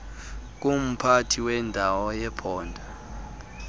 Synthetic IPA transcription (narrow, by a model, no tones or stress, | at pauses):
k̬um̩pʰatʰiwɛndʱawɔjɛpʰɔːndʱa